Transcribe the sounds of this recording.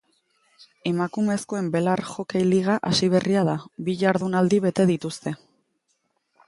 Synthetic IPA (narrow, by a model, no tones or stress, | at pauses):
e̞makume̞sko̞e̞mbe̞laɾʝo̞kejliɣ̞aʔasiβ̞e̞riaðabiʝaɾðunald̪iβ̞e̞t̪e̞ðit̪ust̪e̞